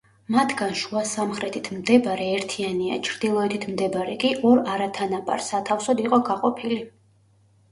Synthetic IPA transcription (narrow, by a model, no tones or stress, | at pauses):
mat̪ʰɡanʃuasamχɾɛt̪ʰit̪ʰmd̪ɛbaɾɛːɾt̪ʰiania̰t͡ʃʰɾd̪̥ilˠɔɛt̪ʰit̪ʰmd̪ɛbaɾɛkʼiʔɔɾaɾat̪ʰanabʼa̰ɾsat̪ʰafsɔd̪iqʼɔɡaqʼɔpʰili